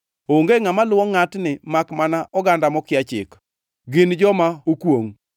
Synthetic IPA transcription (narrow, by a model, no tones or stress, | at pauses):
oŋɡeŋamalʊwɔŋatnɪmakmanaʔɔɡandamɔkɪjat͡ʃɪ̰k | ɡɪnd͡ʒɔmaokwoŋ